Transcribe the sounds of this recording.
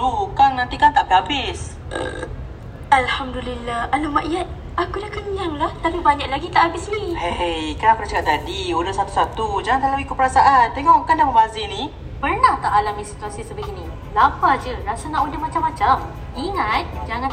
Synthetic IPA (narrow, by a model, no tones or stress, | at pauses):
bukannant̪ikant̪aʔkəɦabɪs | ʔə̰ | alhamd̪ulilːahalumaʔijat̪̚ | akudahkəɲaŋlaht̪alubaɲaʔ̚laɡit̪aʔhabɪsniheejkanakunat͡ʃakaʔ̪t̪adiudasat̪u̥sat̪ud͡ʒaŋant̪alawikʊt̪pəɾasaʔant̪eŋɔʔkːandahməmazinĩ | pərnaht̪aʔalamĩsit̪uasisəbaɡinĩ | lapad͡ʒəɾasanãʔudahmat͡ʃamːat͡ʃam | iŋat̪̚d͡ʒaŋã